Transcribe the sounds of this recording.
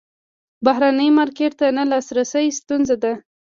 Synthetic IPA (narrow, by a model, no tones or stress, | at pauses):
baɦɾanəjmɑɾkeʈt̪analɑsɾasəjst̪unzad̪a